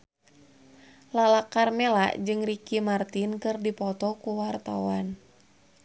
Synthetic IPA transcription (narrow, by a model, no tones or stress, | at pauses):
lalakarmɛla̰ʔd͡ʒɨŋrikimart̪inkɨrdipɔt̪ɔkuwart̪awan